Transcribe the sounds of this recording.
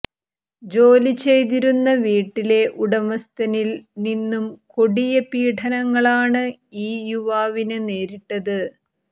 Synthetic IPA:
d͡ʑo̞ːlit͡ɕe̞jt̪̬iɾunːɐʋiːʈːile̞ʔuɽɐmɐst̪ɐnilninːumkoɽijɐpiːʈʰɐnɐŋːɐɭaːɳɨ | iːjuʋaːʋinɨne̞ːɾiʈːɐðɨ

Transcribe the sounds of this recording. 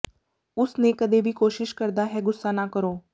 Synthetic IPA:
ʊsneːkəd̪eːbʱiːkoːʃɪʃkəɾd̪aːɦɛːɡʊsːaːnaːkəɾoː

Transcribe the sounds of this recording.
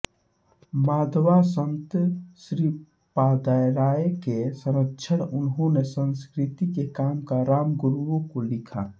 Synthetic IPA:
maːd̪ʱʋasə̃nt̪sɾiː | paːd̪ajɾaːekesəɾəkʃʰəɽʊnɦõnesə̃nskɾɪt̪ikekaːmkaɾaːmɡʊɾõkolɪkʰa̰

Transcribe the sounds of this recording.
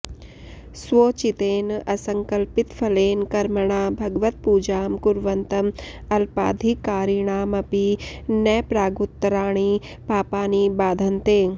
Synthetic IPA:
sʋoːt͡ʃit̪eːnɐsɐŋkɐlpit̪pʰɐleːnkɐɾməɳ̃aːbʱɐɡʋət̪̚puːd͡ʒaːmkuɾʋɐnt̪ɐmɐlpa̰ːd̪ʱikːaːɾɪɳ̃aːmɐpinɐːpɾaːɡut̪ːɾaːɽ̃i | paːpaːniːbaːd̪ʱɐnt̪eː

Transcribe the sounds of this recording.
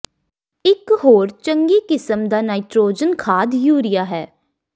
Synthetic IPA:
ɪkɦoːɾt͡ʃəŋɡiːkɪsəmd̪aːnaːɪʈɾoːd͡ʒənkʰaːd̪juːɾɪjaːɦɛː

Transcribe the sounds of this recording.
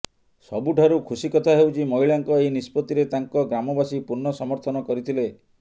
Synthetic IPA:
sɔbuʈʰaɾukʰusikɔt̪ʰaɦewt͡ʃʰimɔɦiɭaŋkɔejnispɔt̪iɾet̪aŋkɔɡɾamɔbasipuɾnɔsɔmɔɾt̪ʰɔnɔkɔɾit̪ʰile

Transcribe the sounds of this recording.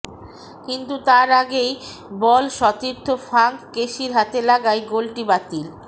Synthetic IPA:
kint̪ut̪aɾaɡej | bɔlʃɔt̪iɾt̪ʰofʰaŋkkeʃiɾɦat̪elaɡajɡolʈibat̪il

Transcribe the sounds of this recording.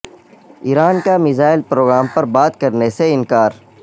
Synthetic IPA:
iːɾaːnkamɪzaːɪlpɾoːɡɾaːmpɐɾbaːt̪kɐɾneseɪnkaːɾ

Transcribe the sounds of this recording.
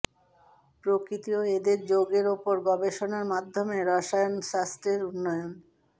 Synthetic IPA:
pɾokɾit̪ioed̪eɾd͡ʑoɡeɾopoɾɡɔbeʃonaɾmad̪ʱːomeɾaʃajonʃast̪ɾeɾunːɔjon

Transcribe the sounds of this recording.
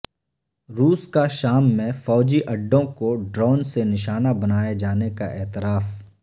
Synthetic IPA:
ɾuːskaʃaːmːẽfɔːd͡ʒiʔɐɖːõkoɖɾɔːnsenɪʃaːnabɐnaːjed͡ʒaːnekaʔɛːt̪ɪɾaːf

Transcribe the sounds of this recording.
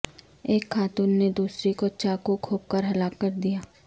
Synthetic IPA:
eːkʰːaːt̪uːnːed̪uːsɾikoʃakokʰoːp̚kəɾɦɐlaːkːəɾd̪ijaː

